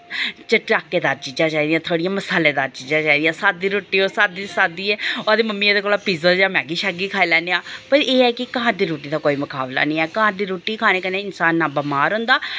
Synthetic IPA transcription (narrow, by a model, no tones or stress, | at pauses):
t͡ʃəʈɾaːkːeːd̪aːɾt͡ʃiːd͡ʒãːt͡ʃaːiːd̪ijãːt̪ʰoːɽijãːməsaːleːd̪aːɾt͡ʃiːd͡ʒãːt͡ʃaːiːd̪ijãːsaːd̪iːɾoːʈiːoːsaːd̪iːsaːd̪iːɛːoəd̪eːməmːiːad̪eːkoːlaːpiːzəd͡ʒãːmɛːɡiːʃaɡiːkʰaːiːlɛːneãːpəɾeːɛːkɪkəɦãːd̪iːɾoːʈiːd̪aːkoːiːmʊkaːbla̰ːnĩːɛːkəɦãːd̪iːɾoːʈiːkʰaːñeːkəneːɪnsaːnːaːbəmaːɾɦʊ̃ːnd̪aː